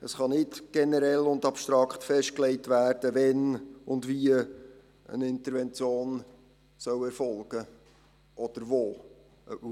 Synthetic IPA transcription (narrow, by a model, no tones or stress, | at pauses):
əsχɑnɪtɡ̥ɛnəɾɛlːʊndɑpʃt̪ɾɑkχtfɛʃt̚klɛɪtʋæːrd̥əvɛnʊndviə | ə̰nɪnt̪əɾvɛnt͡sjoːn | sœwɛɾfɔlɡ̥ə | ʔɔd̪̥əɾvoː